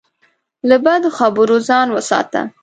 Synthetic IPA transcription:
labad̪oxabəɾozɑnwəsɑ̰t̪a̰

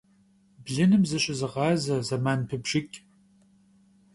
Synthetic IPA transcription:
bɮɨnɨmzɨɕʼɪzɨʁɑːzɐzɐmaːnpʰɨbʒɪkʲʼ

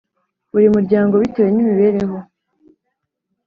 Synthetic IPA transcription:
uɾimuɾɟaːŋɡoβitoɾenimiβe̞ːɾe̞ɦo̞

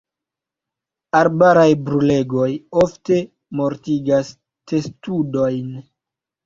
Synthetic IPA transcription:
aɾbaɾajbɾule̞ɡo̞jofte̞ | mo̞ɾtiɡas | te̞studo̞jn

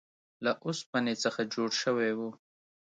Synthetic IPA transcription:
laʔʊspanet͡səxad͡ʒoɽʃəwewu

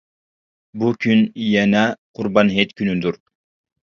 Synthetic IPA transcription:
bukʲʰynjɛnɛqʰʊɾbɑnɦet̪kʲʰynyd̪uɾ

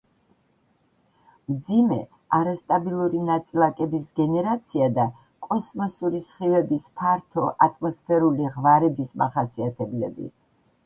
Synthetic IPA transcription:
md̪zimɛ | aɾast̪ʼabilˠuɾinat̪sʼilˠakʼɛbisɡɛnɛɾat̪sʰiad̪a | kʼɔsmɔsuɾisχivɛbispʰaɾt̪ʰɔʔat̪ʼmɔspʰɛɾuliʁvaɾɛbismaχasiat̪ʰɛblɛbḭt̪

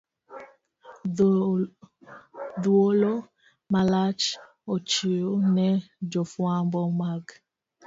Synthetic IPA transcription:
d̪wolo | malat͡ʃ | ot͡ʃionɛd͡ʒofwambɔmaɡ

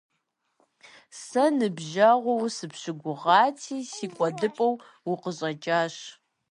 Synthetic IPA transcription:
sɐnɨbʒɐʁʷɔwsɨpɕɪɡʷʊʁɑːtʰiːsiːkʷʼɔdɨpʼɐw | wʊqəɕʼɐt͡ʃʼaːɕ

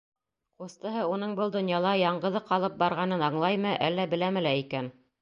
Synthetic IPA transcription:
qust̪ɤ̆ɦɤunɤɴbɤlˠd̪ŏnjɑlˠɑjɑɴɢɤ̆ðɤqɑlˠɤp̚bɑɾʁɑnɤnɑɴlˠɑjmɤʔælːæbɘ̆læmɘ̆læikæn

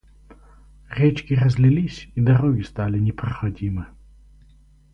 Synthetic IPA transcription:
rʲɛt͡ʃkʲɪrɐzʲlʲɪlʲisʲid̪ɐɾoɡʲɪst̪alʲɪnʲɪpɾɐxɐdʲimɨ

